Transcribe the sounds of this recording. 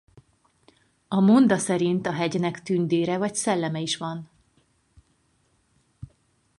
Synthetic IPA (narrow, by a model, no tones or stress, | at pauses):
ɒmo̞nd̪ɒsɛɾint̪ɒɦɛɟnɛkt̪ynd̪eːɾɛvɒcsɛlːɛmɛiʃʋɒn